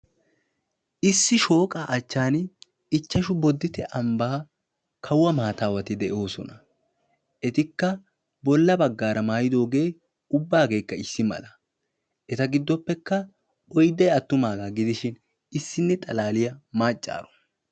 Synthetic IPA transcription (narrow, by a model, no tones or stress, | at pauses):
ʔɪsːɪʃo̞ːkʼaːʔɐt͡ʃːaːn | ɪt͡ʃːɐʃʊbɔd̪ːɪt̪ɛʔɐmbɐː | kʰɐwːɐmaːt̪aːwɐt̪ɪd̪ɛʔo̞ːsɔ̰nɐ | ʔɛt̪ɪkːɐ | bɔlːɐbɐɡːaːɾɐmaːjɪd̪o̞ːɡe̞ː | ʊbːaːɡe̞ːkːɐɪsːɪmɐ̰lɐ | ʔɛt̪ɐɡɪd̪ːɔpːɛkːɐ | ɔjd̪ɐjɐt̪ːʊmaːɡaːɡɪd̪ɪʃɪn | ɪsːɪnːɛt̪ʼɐlaːlɪjɐmaːt͡ʃʼːa̰ːɾɔ̥